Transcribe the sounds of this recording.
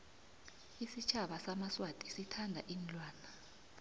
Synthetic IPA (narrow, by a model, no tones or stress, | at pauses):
isit͡ʃʰaɓasamaswatʼisitʰandʱa̰ʔinlwaːna